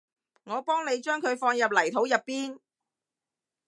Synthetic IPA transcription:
ŋɔː˨˧pɔː˥ŋne˨˧jt͡ʃœː˥ŋkʰɵ˨˧ɥfɔː˧ŋjɐ˨p̚lɐ˨˩jt̪ʰo˨˥wjɐ˨pːiː˥n

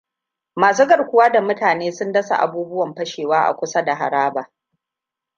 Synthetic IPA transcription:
maː˨suː˦ɡɐ˨ɽkʷʊ˨˦waː˦da˨mʊ˦taː˨neː˦sʊ˦ndɐ˦sa̰˨ʔa̰˨buː˦bʊ˦wɐ˨mɸɐ˦ʃeː˨waː˦ʔa̰˨kʷʊ˦sa˦da˨ɦa̰˨ɾaː˦baː˨

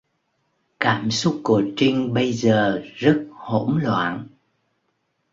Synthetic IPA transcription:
kaː˧˩msʊ˦˥k͡pːu˧˩ət͡ɕi˧ŋɓə˧jzəː˨˩zə˦˥t̚ho̰˧˥mlwa̰ː˧˨n

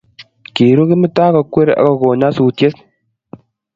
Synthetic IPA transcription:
ki˨ɾo˦kɪ˦mɪ˦taː˦kɔ˧kwe˦ɾa̰˨kɔ˦˧ko˨ɲa˦su˨tje˦s

